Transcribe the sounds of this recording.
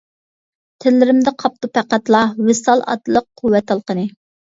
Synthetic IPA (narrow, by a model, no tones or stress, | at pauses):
t̪ʰɪlːɪɾɪmd̪ɛqʰɑp̚t̪upʰæqæt̪lˠɑwɪsɑlˠɑ̰t̪lˠəqʰuwːɛt̪ːɑlˠqənɨ